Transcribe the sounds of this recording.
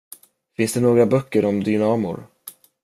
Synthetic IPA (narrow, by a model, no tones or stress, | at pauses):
fɪnsd̪ɛnoːɡɾabœkːəɾɔmd̪ʏnɑːmʊ̰ɾ